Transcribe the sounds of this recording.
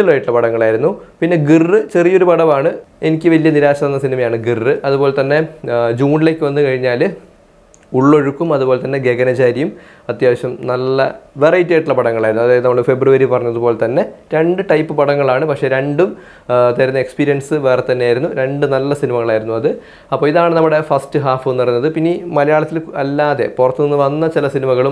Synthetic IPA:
ilːoːjiʈːuɭːɐpɐɽɐŋːɐɭaːjiɾunːupinːe̞ɡirːɨt͡ɕe̞rijo̞ɾupɐɽɐmaːɳɨenikʲːɨʋɐlijɐniɾaːɕɐɐnːɐsinimɐjaːɳɨɡirːɨʔɐðubo̞ːlet̪ɐnːe̞d͡ʑuːnile̞ːkʲːɨʋɐnːɨkɐɻiɲːaːl | uɭːo̞ɻukːumɐðubo̞ːlet̪ɐnːe̞ɡe̞ɡɐnɐt͡ɕaːɾijum | ɐt̪jaːʋɐɕɐmnɐlːɐʋerɐjtːieːʈːuɭːɐpɐɽɐŋːɐɭaːjiɾunuɐðaːjɐðɨnɐmːɐɭfe̞bruʋɐɾipɐrɐɲːɐðupoːlet̪ɐnːe̞ɾe̞ɳɖɨʈɐjpːɨpɐɽɐŋːɐɭaːɳɨpɐkʂe̞ːɾe̞ɳɖum | t̪ɐɾunːɐekspiːɾijɐnsɨʋeːret̪ːɐnːejaːjiɾunːuɾe̞ɳɖɨnɐlːɐsinimɐɣɐɭaːjiɾunːuɐðɨ | ɐpːo̞ːiðaːɳɨnɐmːuɽe̞fɐstɨɦaːfnːɐrunːɐðɨpinːimɐlɐjaːɭɐt̪ːilɐlːaːðe̞̰purɐt̪ːuninːɨʋɐnːɐt͡ɕilɐsinimɐɣɐɭum

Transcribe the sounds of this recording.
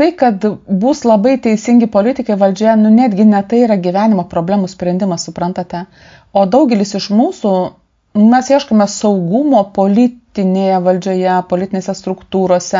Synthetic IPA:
t̪ɐɪkɐt̪buːslˠɐbɐɪt̪ʲɛɪsʲɪŋʲɡʲɪpoːlʲɪt̪ʲɪkɐɪʋɐlʲd͡ʒʲoːjɛnʊnʲæːd̪ʲɡʲɪnʲɛt̪ɐɪiːɾɐɡʲiʋʲæːnʲɪmoːpɾoːbʲlʲæːmʊsʲpʲɾʲɛnʲd̪ʲɪmɐssʊpɾɐnt̪ɐt̪ʲɛ | oːd̪ɐʊɡʲɛlʲɪsɪʃmuːsʊ | mʲɛsjiɛʃkomʲɛsɐʊɡʊmoːpoːlʲɪt̪ʲɪnʲeːjɛʋɐlʲd͡ʒʲoːjɛpoːlʲɪt̪ʲɪneːsʲɛst̪ɾʊkt̪uːɾoːsʲɛ

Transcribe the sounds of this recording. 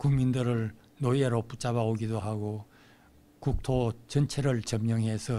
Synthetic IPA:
kuŋmindɯɾɯɭ | nojeɾoput͡ɕ͈abaoɡidoɦaɡo | kuk̚tʰot͡ɕʌnt͡ɕʰeɾɯɭt͡ɕʌmɲʌŋɦe̞sʰʌ

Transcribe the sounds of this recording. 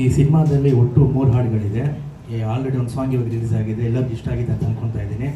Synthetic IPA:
isinimaːd̪ɐlːioʈːumuːɾɦaːɽɡɐɭid̪e̞ | aːlɾeɽiond̪usʋaːŋɡioɡ̪ɐɾiliːsaːɡid̪eːlːɐbiʂʈaːɡit̪aːnt̪ɐnkoɳɖt̪aːjid̪eːni

